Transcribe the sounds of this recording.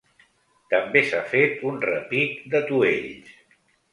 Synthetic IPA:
t̪əmbesafet̪unrəpit̪d̪ət̪ueʎ

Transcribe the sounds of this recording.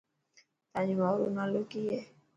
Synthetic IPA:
t̪aɲuauɾṵnalokijɛ

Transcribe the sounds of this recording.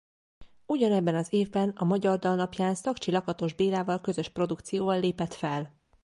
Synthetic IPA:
uɟɒnɛbːɛnɒzeːvbɛnɒmɒɟɒrd̪ɒlnɒpjaːnsɒkt͡ʃilɒkɒt̪o̞ʒbeːlaːvɒlkø̞zø̞ʃpro̞d̪ukt̪sijoːvɒlːeːpɛt̪fɛl

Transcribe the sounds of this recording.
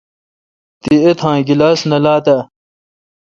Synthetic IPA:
t̪iet̪ʰãːɡilaːsnɐlaːt̪ɐ

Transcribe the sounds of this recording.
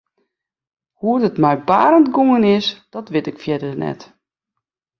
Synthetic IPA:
huədətmɛjba̰ːɾəntɡoŋənɪsd̥ɔtʋɪtɪkfjɛdərnɛ̰t

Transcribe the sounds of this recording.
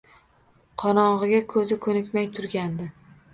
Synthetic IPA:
qʰɒnɒɴʁɨɡʲakʰɵzɪkʰɵnɪkʲmajt̪ʰʊɾɡʲand̪ɪ

